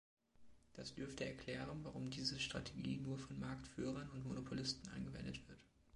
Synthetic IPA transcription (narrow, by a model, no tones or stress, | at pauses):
d̥asd̥ʏɐftəɛɐkʰl̥ɛːʁənvaʁʊmdiːzəʃtʁ̥a̰tʰe̥ɡḭːnuːɐfɔnmaɐktfyːʁ̞ɐnʊntmonopʰolɪstn̩ʔa̰ɪnɡəvɛ̰ndətv̥ɪɐt